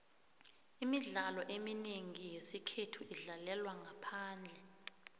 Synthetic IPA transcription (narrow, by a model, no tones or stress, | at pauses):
imiɮalɔʔemineŋijesikʰetʰuʔiɮalɛlwaŋapʰaːnd͡ɮʱɛ